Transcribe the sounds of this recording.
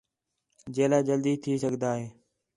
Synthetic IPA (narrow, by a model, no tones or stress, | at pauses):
d͡ʒeːlaːd͡ʒəld̪iːt̪ʰiːsəɡd̪aːɦeː